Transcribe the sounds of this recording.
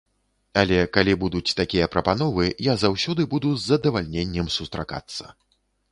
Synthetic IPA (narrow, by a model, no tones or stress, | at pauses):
alʲɛkalʲibud̪ut͡sʲt̪akʲijɐpɾɐpanɔvɨjazawsʲɔd̪ɨbud̪uzːɐd̪ɐvalʲnʲenʲːɛmsust̪ɾa̰ka̰t̪sːɐ̰